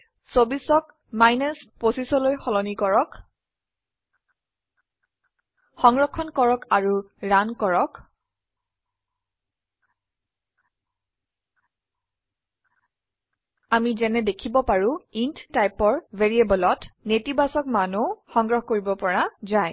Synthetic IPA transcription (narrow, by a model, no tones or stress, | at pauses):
sobisɔk | majnɛsposisɔlojxɔlɔnikɔɹɔk | xɔŋɡɹɔkʰːɔnkɔɹɔkaɹu | ɹankɔɹɔk | amizɛnɛdekʰibɔpaɹũinttajpɔɹvʱeɹiebɔlɔtnetibasɔkmanuxɔŋɡɹɔhɔkoɹibɔpɔɹazaj